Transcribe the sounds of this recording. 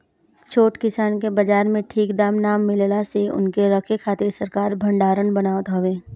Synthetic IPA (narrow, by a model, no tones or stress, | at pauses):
t͡ʃʰoːʈkɪsaːnkebɐd͡ʒaːɾmẽʈʰiːkd̪aːmnaːmːɪlelasiʊ̰nkeɾɐkʰekʰaːt̪ɪɾsɐɾkaːɾbʱə̃ɳɖaːɾənbɐnaːʋət̪ɦoʋeː